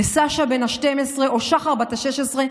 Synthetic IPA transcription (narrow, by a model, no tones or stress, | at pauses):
esaʃabenaʃtemesʁeʔoʃaχaʁbat̪aʃeʃesʁe